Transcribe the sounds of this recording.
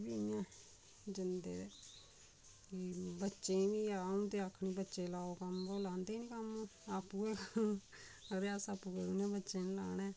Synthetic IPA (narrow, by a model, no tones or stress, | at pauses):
biːnjãː | d͡ʒɪnd̪ḛːe | kibətːʃẽːʋiːaːũːt̪eːaːkʰɳiːbətːʃẽːlaːoːkəmboːlãːnd̪eːniːkəmoaːpːuːɛː | əɾaːsaːpːuːkəuːnãːbətːʃẽːnlaːnɛː